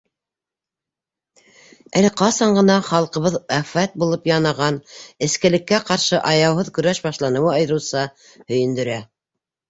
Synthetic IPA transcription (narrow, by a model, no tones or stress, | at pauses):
ælɘqɑsɑɴɢɤ̆nɑχɑlˠqɤ̆βɤðæfæt̪̚bulˠɤpjɑnɑʁɑnɘ̆skɘ̆lɘ̆kːæqɑɾʃɤʔɑjɑwɦɤðkɵ̆ɾæʃbɑʃlˠɑnɤ̆wɑɑj̆ɾɤ̆wsɑ | hɵ̆jɘ̆nd̪ɵ̆ɾæ